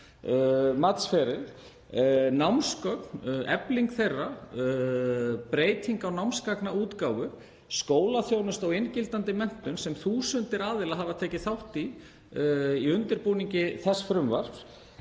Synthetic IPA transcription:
mat̪sfɛːɾɪl | nawmskœknɛ̰pliŋkθejrːa | pɾeːjt̪ʰiŋkawnawmskaknauːt̪kaːwvʏ | skoːwlaθjownʏst̪awejncɪlt̪ant̪ɪmɛn̥t̪ʏnsɛmθuːsʏnt̪ɪɾaːðɪlaɦaːvat̪ʰɛːcɪθawht̪i | iʏnt̪ɪɾpuːniɲcɪθɛsːfɾʏmvaɾ̥f

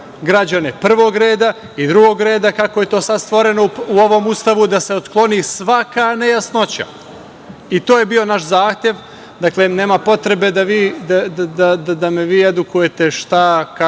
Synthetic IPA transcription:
ɡɾad͡ʑanepr̩ʋo̞ːɡɾe̞ːd̪a | id̪ɾuɡo̞ɡɾe̞ːd̪akako̞je̞t̪o̞ːsad̪st̪ʋo̞ɾe̞nouo̞ʋo̞must̪aʋud̪ase̞ot̪klˠo̞nisʋakaːnejasno̞t͡ɕa̰ | it̪oːjebio̞naʃzaːxt̪je̞ʋ | d̪akle̞ne̞ːmapo̞t̪ɾe̞be̞d̪aʋiːd̪ad̪ad̪ad̪ad̪ameʋiːed̪ukuje̞t̪e̞ʃt̪aka

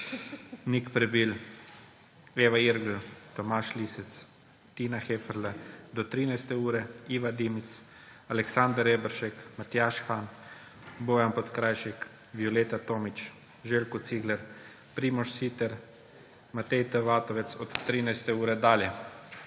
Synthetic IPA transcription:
nikpɾɛbiːl | eːʋaiɾɡl̩t̪ɔmaːʃlisɛt̪s | t̪iːnaxefɛɾlɛd̪ɔt̪ɾiːnajst̪ɛuːɾɛiːʋad̪iːmit̪s | alɛksand̪ɾebɾʃɛkmat̪jaːʃxan | boːjampɔt̪kɾajʃɛk | ʋjɔleːt̪at̪oːmit͡ʃ | ʒeːlkut̪siːɡlɛɾ | pɾiːmɔʃsit̪ɛɾ | mat̪ɛjt̪əʋaːt̪ɔʋɛt̪sɔt̪t̪ːɾiːnajst̪ɛuːɾɛd̪aːljɛ

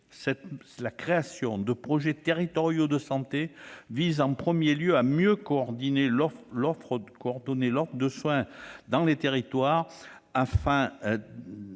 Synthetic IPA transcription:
sɛt̪ | lakχeasjɔ̃d̪əpχɔʒet̪eʁit̪ɔʁjod̪əsɑ̃t̪evizɑ̃pχəmjeljøamjøkɔɔʁd̪inelɔlɔfχəkɔɔʁd̪ɔnelɔfd̪əswɛ̃d̪ɑ̃let̪eʁit̪waʁ | afɛ̃

